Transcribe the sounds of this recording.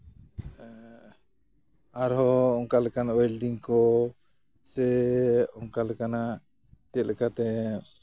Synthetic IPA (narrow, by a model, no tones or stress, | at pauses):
aɾɦɔɔŋkalɛkanawɛlɖiŋkɔ | sɛɔŋkalɛkana | t̪iəlʔɛkat̪ɛ